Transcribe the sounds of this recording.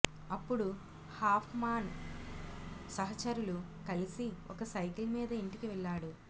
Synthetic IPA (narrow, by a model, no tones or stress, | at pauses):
ɐpːuɽu | haːpʰmaːn | sɐɦɐt͡ʃɐɾulu | kɐlisio̰kɐsɐjkilmiːd̪ɐiɳʈikiʋɛɭːaːɽu